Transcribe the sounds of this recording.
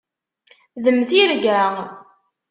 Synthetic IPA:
ðəmθiɾɡæ

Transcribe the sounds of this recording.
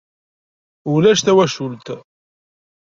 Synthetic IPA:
ʊlæʃθæwæʃult̪

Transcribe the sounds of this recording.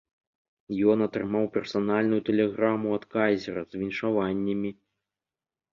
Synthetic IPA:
jɔnɐt̪ɾɨmawpʲɛrsanalʲnujut̪ɛlʲɛɣɾamuat̪kazʲɛɾɐzvʲinʲʂavanʲːɐmʲi

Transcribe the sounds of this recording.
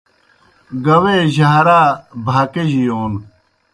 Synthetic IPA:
ɡɐweːʑaːɾaːbʱaːkeʑijoːn

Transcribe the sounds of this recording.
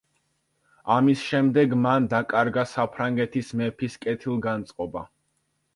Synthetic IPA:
amisʃɛmd̪ɛɡmand̪akʼaɾɡasapʰɾaŋɡɛt̪ʰismɛpʰiskʼɛt̪ʰilˠɡant̪sʼqʼɔba̰

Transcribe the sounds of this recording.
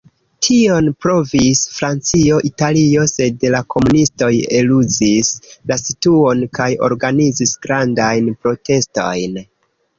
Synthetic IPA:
tʰio̞npɾo̞visfɾant͡sio̞ʔitalio̞se̞dlakʰo̞munisto̞jeluzislasituo̞nkajo̞̰ɾɡanizisɡ̥ɾandajnpɾotʰe̞sto̞̰jn

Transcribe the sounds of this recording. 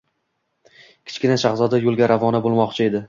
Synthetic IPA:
kʲʰɪ̥t͡ʃkʲɪnaʃaχzɒd̪ajolˠɡʲaɾavɒnabolˠmɒqt͡ʃʰɪe̞d̪ɪ

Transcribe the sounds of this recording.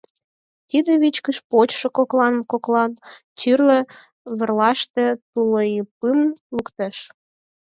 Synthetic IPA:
t̪ʲid̪eβit͡ɕkəʃpot͡ɕʃokoklɑnmkoklɑnt̪yrlĕ | βə̆rlɑʃt̪ĕt̪uləjipɨmlukt̪əʃ

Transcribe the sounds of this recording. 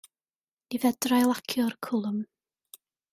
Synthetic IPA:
ivɛdrajlˠakʰjɔrkʰʊlˠəm

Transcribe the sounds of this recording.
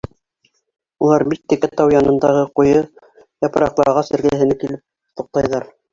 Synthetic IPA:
ulˠɑɾbit̪ːɘ̆kæt̪ɑwjɑnɤ̆nd̪ɑʁɤqujɤ | jɑpɤ̆ɾɑqlˠɑʁɑsɘ̆ɾɡæɦɘ̆nɘkilɘp̚ | t̪ŭq̚t̪ɑjðɑɾ

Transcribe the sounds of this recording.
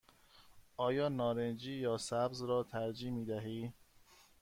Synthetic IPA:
ʔɒːjɒːnɒːɾend͡ʒiːjɒːsæbzɾɒːt̪ʰæɾd͡ʒiːmiːd̪æɦiː

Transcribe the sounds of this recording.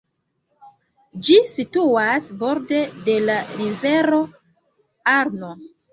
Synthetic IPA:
d͡ʒisituasbo̞ɾde̞de̞laɾive̞ɾo̞ | aɾno

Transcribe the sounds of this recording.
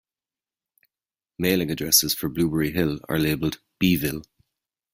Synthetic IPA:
meːlɪ̃ŋədɹɛsɪz̥fə˞bluːbəɹiɦɪlə̰˞leːbəlˠd | b̥iːvɪlˠ

